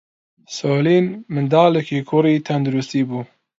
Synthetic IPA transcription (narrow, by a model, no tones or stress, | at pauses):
soːliːnmɨnd̪aːlekʰiːkʰʊɾiːt̪ʰɐnd̪uɾust̪iːbuː